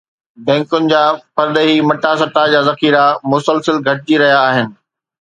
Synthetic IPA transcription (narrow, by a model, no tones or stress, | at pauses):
bɛ̃ːŋkʊnɪ̆d͡ʑaːpɐɾd̪eɦimɐʈasɐʈad͡ʑaːzɐxiːɾamʊsəlsəlɡʱɐʈ̚d͡ʑiɾɐɦijaːɦɪnɪ̆